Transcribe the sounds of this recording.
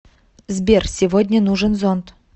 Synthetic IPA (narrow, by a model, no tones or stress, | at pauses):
zʲbʲersʲɪvodʲnʲənuʐənzont̪